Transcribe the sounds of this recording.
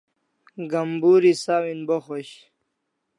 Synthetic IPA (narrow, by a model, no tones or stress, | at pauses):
ɡɐmbuːɾisaːwinboxoɕ